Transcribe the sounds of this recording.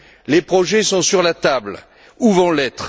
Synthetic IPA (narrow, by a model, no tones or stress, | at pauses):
lepχɔʒɛsɔ̃syʁlat̪abl | uvɑ̃lɛt̪χ